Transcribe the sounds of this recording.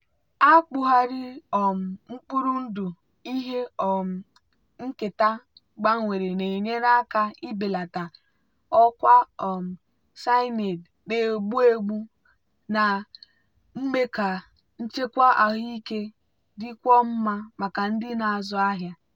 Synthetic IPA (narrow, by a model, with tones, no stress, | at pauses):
a˦k͡pʊ˦ɦa˦ɾɪ˦ɔ˨m̩˨ŋ͡m̩˦k͡pu˦ɾu˦n̩˦du˨ | i˦ɦe˦ɔ˨m̩˨ | ŋ̩˦kɪ˨ta˦ | ɡ͡ba˦ŋʷe˨ɾe˨ne˨ɲe˦na˦ka˦i˦be˨la˨ta˨ | ɔ˦kʷa˦ɔ˨m̩˨ | sa˦ɪ˦ne˨dde˨o˨ɡ͡bu˦e˦ɡ͡bu˦ | na˨ | ŋ͡m̩˦me˦ka˨ | n̩˦t͡ʃe˦kʷa˦ʔa˨ɦi˦ke˦ | dɪ˦kʷɔ˦m̩˦ma˦ma˨ka˨n̩˦dɪ˦na˨a˨zɔ˨˦a˦ɦja˦